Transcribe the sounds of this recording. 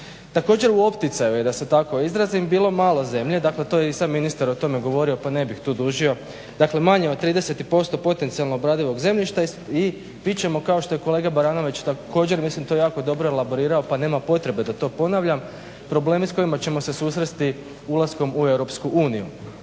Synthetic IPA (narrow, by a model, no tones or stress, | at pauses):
t̪ako̞ːd͡ʑe̞ɾuo̞pt̪it̪sajuje̞d̪ase̞t̪ako̞izɾazimbiːlo̞maːlˠo̞ze̞mʎe̞d̪akle̞t̪o̞jeisamːinist̪aɾo̞t̪o̞me̞ɡo̞ʋo̞ɾio̞pane̞bixt̪uːd̪uːʒio̞ | d̪akle̞maɲeot̪ːɾiːd̪e̞se̞t̪ipo̞st̪o̞po̞t̪e̞nt̪sialno̞ːbɾaːd̪iʋo̞ɡze̞mʎiʃt̪ai | pit͡ɕe̞mo̞kao̞ʃt̪o̞je̞ko̞le̞ːɡabaɾaːno̞ʋit͡ɕt̪ako̞ːd͡ʑe̞ɾmislimt̪o̞jaːko̞d̪o̞bɾoelabo̞ɾiːɾaopane̞ːmapo̞t̪ɾe̞be̞d̪at̪o̞po̞naʋʎam | pɾo̞ble̞ːmisko̞imat͡ɕe̞mo̞se̞suːsɾest̪i | ulˠasko̞mue̞wɾo̞pskuʔuːnijṵ